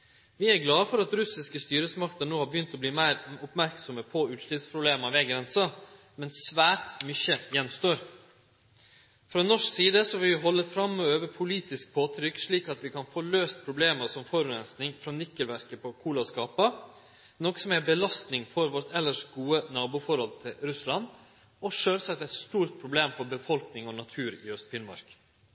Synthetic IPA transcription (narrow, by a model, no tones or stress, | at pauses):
ʋɪæɾɡlɑːfɔɾɑt̪ɾʉsɪskəst̪yːɾəsmɑkt̪əɾnoːhɑbəjʏnt̪ɔbliːmæɪɾʊpmæɾksɔməpʰɔʉːt̪ʂlʏpspʰɾʊbleːmɑʋɛɡɾɛnsɑ | mɛnsːʋæːɾt̪mʏçəjɛnst̪oːɾ | fɾɑːnɔʂksiːd̪əsɔʋɪʋɪɦɔlːəfɾɑmøøːʋəpʰʊliːt̪ɪsk̚pʰoːt̪ʰɾʏkːʂɭiːkɑt̪ʋɪkʰɑnfoːløːst̪̚pʰɾʊbleːməsɔmfɔɾʉɾɛnsnɪŋfɾɑnʏkːəlʋæɾkəpʰɔkʰuːlɑskɑːpɑ | nɔkːsɔmæbəlɑst̪nɪŋfɔɾʋɔɾt̪ɛlːəʂɡuːənɑːbʊfɔɾhɔlt̪ʰɪlɾʉslɑn | ɔʂøːlsɑt̪ːæɪt̪st̪uːɾt̪̚pʰɾʊbleːmfɔɾbəfɔlknɪŋɔnɑt̪ʰʉːɾɪœst̪fɪnmɑ̰ɾk